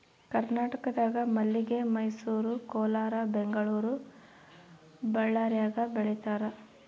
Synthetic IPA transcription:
kɐɾnaːʈɐkɐd̪aːɡɐmɐlːiɡe̞mɐjsuːɾukɔːlaːɾɐbeŋɡɐɭuːɾu | bɐɭːaːɾjaːɡɐbeɭɛt̪aːɾɐ

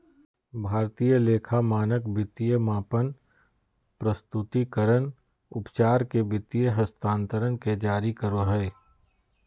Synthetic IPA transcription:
bʱaːɾt̪ijəleːkʰamaːnəkbɪt̪ijəmaːpən | pɾəst̪ʊt̪ikəɾən | ʊpt͡ʃaːɾkebɪt̪ijəɦəst̪ʰãːnt̪əɾənked͡ʒaːɾikəɾoɦɛe

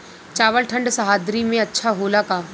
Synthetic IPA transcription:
t͡ʃaːʋəlʈʰə̃ɳɖsɐɦaːd̪ɾimẽɐtːʃʰaɦoːlakaː

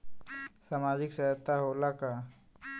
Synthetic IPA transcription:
saːmaːd͡ʒɪksəɦət̪aɦoːlaka

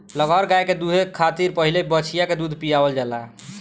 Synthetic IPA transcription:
ləɡʱɔɾɡajked̪uɦekʰːat̪iɾpəɦilebət͡ʃʰijaked̪ud̪ʱpijabəld͡ʒalaɦ

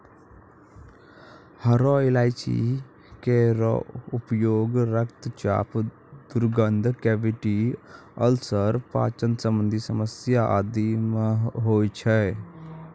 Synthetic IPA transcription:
həɾɔɪlaːɪt͡ʃḭ | keɾʊpjoːɡɾəkt̪t͡ʃa̰ːp | d̪ʊɾɡənd̪ʱkɛːʋɪʈi | əlsəɾpa̰ːt͡ʃənsə̃mbə̃nd̪ʱisəməsjaʔa̰d̪imɦoːit͡ʃʰɛ

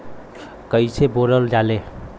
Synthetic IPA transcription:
kəisʰeboləld͡ʒale

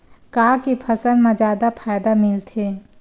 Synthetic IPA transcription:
kaːkipʰɐsənmãd͡ʒjaːd̪apʰaːjd̪amɪlt̪ʰe

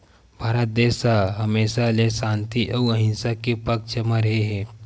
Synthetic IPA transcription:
bʱaɾət̪̚d̪esaɦəmesalesãnt̪iʔəwəɦinsakipəkt͡ʃəməɾɦeɦe

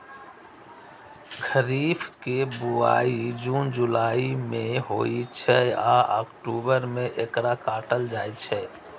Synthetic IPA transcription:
kʰəɾiːfʰkebua̰ːid͡ʒuːnd͡ʒulaːimẽɦoːit͡ʃʰɛaʔɔːkʈuːbəɾmẽʔekɾakaːʈəld͡ʒaːit͡ʃʰɛ

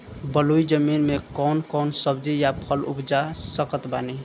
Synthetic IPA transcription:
bəlujd͡ʒəminmekɔnkɔnsəbd͡ʒijapʰəlṵpd͡ʒasəkət̪bani

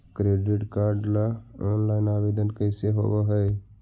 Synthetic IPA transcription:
kɾeːɖɪʈkaːɾɖlaɔːnlaːɪnaːʋeːd̪ənkəɪseɦo̰ʋaɦə

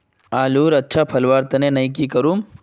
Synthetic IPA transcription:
aːluːɾɐtːʃʰapʰɐlʋaːɾt̪ɐnẽnɐĩk̬ikɐɾuːm

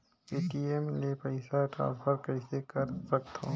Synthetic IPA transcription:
piːʈiemlepəɪsaʈa̰ːɾpʰəɾkɐɪsekɐɾsɐk̚t̪ɦõː

